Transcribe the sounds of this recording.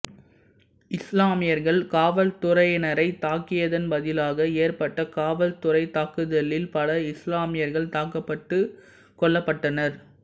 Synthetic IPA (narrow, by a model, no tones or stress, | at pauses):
ɪslaːmɪjɐɾɣɐɭkaːʋɐlt̪ʊɾɐjnɐɾɐɪt̪aːkːɪjɐðɐnbɐðɪlaːɣɐeːɾpɐʈːɐkaːʋɐlt̪ʊɾɐɪt̪aːkɯðɐlːɪlpɐlɐɪslaːmɪjɐɾɣɐɭt̪aːkɐpːɐʈːɯ | kɔɭːɐpːɐʈːɐnɐɾ